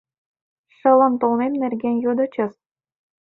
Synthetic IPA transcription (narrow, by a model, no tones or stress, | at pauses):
ʂɤ̆lɤ̆nt̪olmemnærɡʲenjod̪ɤ̆t͡ɕɤ̆s